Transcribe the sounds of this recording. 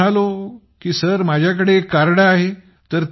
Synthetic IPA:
alo | kiːsəɾmad͡ʑʱjak̬əɽeːkːaɾɽaːɦe | t̪əɾt̪

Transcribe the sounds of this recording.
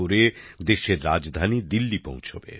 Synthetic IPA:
oɾed̪eʃeɾːad͡ʑd̪ʱanid̪ilːipõ̰w̃t͡ɕʰobḛ

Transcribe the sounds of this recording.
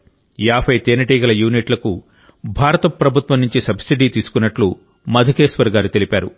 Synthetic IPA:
jaːpʰɐjt̪eːnɐʈiːɡɐlɐjuːniʈlɐku | bʱaːɾɐt̪ɐpɾɐbʱut̪ʋɐmnuɲt͡ʃisɐbsiɖiːt̪iːsu̥kunːɐʈlu | mɐd̪ʱɐkeːsʋɐɾɡaːɾut̪e̞lipaːɾu

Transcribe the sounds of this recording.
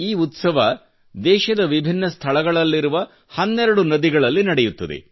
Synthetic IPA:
iːut̪sɐʋɐ | d̪ɛːʃɐd̪ɐʋibʱinːɐst̪ʰɐɭɐɡɐɭɐlːiɾuʋɐ | hɐnːɛɾɐɽunɐd̪iɡɐɭɐlːinɐɽɛjut̪ːɐd̪ḛ

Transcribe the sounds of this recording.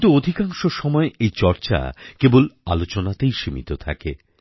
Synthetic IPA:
t̪uod̪ʱikaŋʃoʃɔmɔeʔejt͡ɕɔɾt͡ɕa̰kebola̰lot͡ɕonat̪ejʃimḭt̪ot̪ʰa̰ke

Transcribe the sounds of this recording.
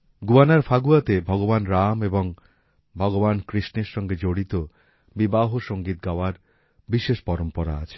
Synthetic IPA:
ɡuanaɾfaɡuat̪ebʱɔɡobanɾameboŋ | bʱɔɡobankɾiʃneɾʃɔŋɡed͡ʑoɽit̪o | bibaɦoʃoŋɡit̪̚ɡaoaɾ | biʃeʃpɔɾompɔɾa̰a̰t͡ɕʰe̥

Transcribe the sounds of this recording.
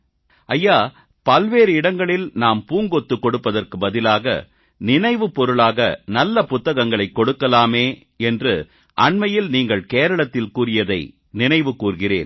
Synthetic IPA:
ɐjːaː | pɐlʋeːɾɯɪɽɐŋɡɐɭɪlnaːmpuːŋɡɔt̪ːɯkːɔɽɯpːɐðɐrkɯbɐðɪlaːɣɐ̰ | nɪnɐɪʋɯpɔɾɯɭaːɣɐ̰nɐlːɐpʊt̪ːɐɣɐŋɡɐɭɐɪkːɔɽɯkːɐlaːmeː | ɛndrɯ | ʔɐɳmɐjɪlniːŋɡɐɭkeːɾɐɭɐt̪ːɪlkuːrɪjɐðɐɪ | nɪnɐɪʋɯkːuːrɣɪrḛːn

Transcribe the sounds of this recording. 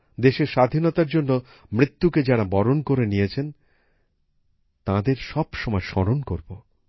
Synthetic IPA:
d̪eʃeɾʃad̪ʱinɔt̪aɾd͡ʑonːo | mɾit̪ːuked͡ʑaɾabɔɾonkoɾenijet͡ɕʰen | t̪ãd̪eɾʃɔbʃɔmɔeʃɔɾonkoɾbo

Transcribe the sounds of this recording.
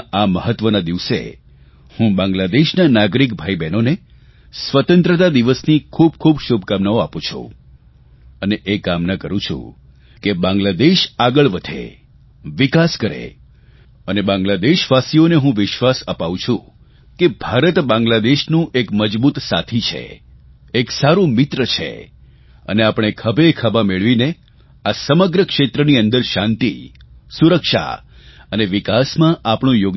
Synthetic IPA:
aməɦət̪ʋənad̪iʋsḛ | hũbãŋɡlad̪eʃnanaɡɾikbʱaibɛnone | sʋət̪ə̃nt̪ɾət̪ad̪iʋəsnikʰub̚kʰubʃubʱkamnaoapõt͡ʃʰṵ | əneʔekamnakəɾũt͡ʃʰṵ̃ | kebãŋɡlad̪eʃaɡəɭʋəd̪ʱḛ | ʋikaskəɾḛ | ənebãŋɡlad̪eʃʋasioneɦũʋɪʃʋasəpaʋũt͡ʃʰũ | kebʱaɾət̪bãŋɡlad̪eʃnũʔekməd͡ʒbut̪sa̰t̪ʰit͡ʃʰḛː | ksaɾũmɪt̪ɾət͡ʃʰḛ | ə̰neapɳ̃ekʰəbʱekʰəbameɭʋine | asəməɡɾəkʃet̪ɾəniənd̪əɾʃãnt̪ḭsuɾəkʃa̰ | əneʋɪkasmãʔapɳ̃ũjoɡ

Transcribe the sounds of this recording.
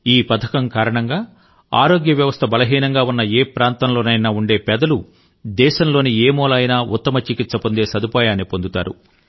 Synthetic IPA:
iːpɐt̪ʰɐkɐŋkaːɾɐɳɐŋɡaː | a̰ːɾo̞ːɡjɐʋjɐʋɐst̪ʰɐbɐlɐɦiːnɐŋɡaːunːɐeːpɾaːnt̪ɐmloːnɐjnaːuɳɖe̞ːpɛd̪ɐlu | d̪ɛːʃɐmlo̞ːnieːmɔːlaːjnaːʔut̪ːɐmɐt͡ʃikisɐpond̪e̞ːsɐd̪upaːjaːnːipond̪ut̪aːɾṵ

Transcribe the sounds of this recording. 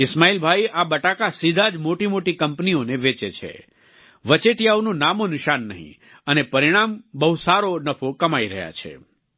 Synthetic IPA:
ɪsmailbʱajabəʈakasid̪ʱad͡ʒmoʈimoʈikəmpnioneʋet͡ʃet͡ʃʰḛ | ʋət͡ʃeʈjaonũnamonɪʃanːəɦḭ̃ | ənepəɾiɽ̃ambəɦusaɾonəpʰokəmaiɾə̰ɦja̰t͡ʃʰḛ

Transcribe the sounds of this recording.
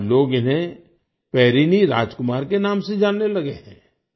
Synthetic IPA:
loːɡɪnɦẽ | pɛːɾiːniɾa̰ːd͡ʒkʊmaːɾkenaːmsed͡ʒaːnːelɐɡeɦɛ̰̃ː

